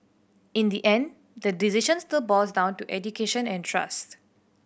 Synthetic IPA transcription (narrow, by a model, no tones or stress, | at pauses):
ɪ̃nd̪iʔɛ̃n | dədizɪʃə̃nstɪlbɔsdãʊ̃ntuʔɛdjukeʃə̃nɛ̃ntʰɹa̰st